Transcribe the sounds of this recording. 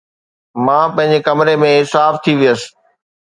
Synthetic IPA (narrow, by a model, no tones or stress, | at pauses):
mãːpɐ̃ɦɪ̃ɲd͡ʑekɐmɾemẽɦsaːft̪ʰiʋijəsɪ̥̆